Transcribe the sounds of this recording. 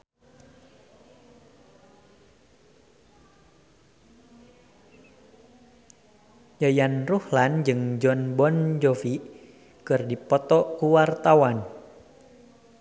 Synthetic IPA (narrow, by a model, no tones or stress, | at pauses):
jajanruhland͡ʒɨŋd͡ʒɔnbɔnd͡ʒɔfi | kɨrdipɔt̪ɔkuwart̪awan